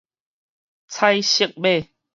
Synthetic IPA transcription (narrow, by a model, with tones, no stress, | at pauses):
t͡sʰa˦jɕi˥˧k̚be˥˨